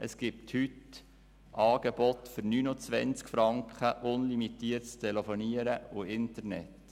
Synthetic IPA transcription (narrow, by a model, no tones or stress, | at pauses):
ʔəsɡ̥ip̚thyt | ʔɑːɡ̥ɛb̥ɔt̪fʏɾnyːnʊt͡sʋɛ̰nt͡skfɾɑŋkχəʔʊnlimitiːətst̪ʰɛlɛfɔniəɾəʊɪntəɾnɛ̰t